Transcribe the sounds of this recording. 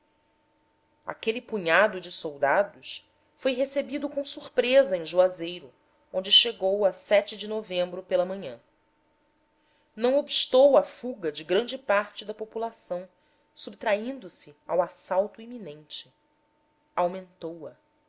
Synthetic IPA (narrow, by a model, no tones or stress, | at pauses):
a̰kelɪpuɲad̪ʊd͡ʒɪsowd̪ad̪ʊʃ | fojɦesebid̪ʊkõsuɾpɾezɐẽj̃ʒuazejɾʊ | õnd͡ʒɪʃeɡowɐsɛt͡ʃɪd͡ʒɪnovẽmbɾʊpelɐmɐ̃ɲɐ̃ | nɐ̃w̃obiʃt̪owɐfuɡɐd͡ʒɪɡɾɐ̃nd͡ʒɪpaɾt͡ʃɪd̪ɐpopulasɐ̃w̃ | subt̪ɾaĩnd̪ʊsɪawasawt̪ʊiminẽnt͡ʃɪ | awmẽnt̪owɐ